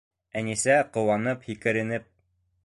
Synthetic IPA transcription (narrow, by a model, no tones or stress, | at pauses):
ænisæqŏwɑnɤphikɘ̆ɾɘ̆nɘp̚